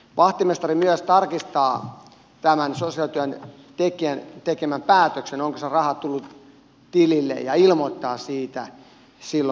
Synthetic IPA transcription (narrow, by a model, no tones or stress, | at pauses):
ʋɑht̪imest̪ɑrimyøst̪ɑrkist̪ɑː | t̪æmænsosiɑlt̪yæn | t̪ekiænt̪ekemæmpæːt̪øksenoŋkoserɑhɑt̪ulːut̪ | t̪ililːḛjɑilmot̪ːɑːsiːt̪æ̰ | silːo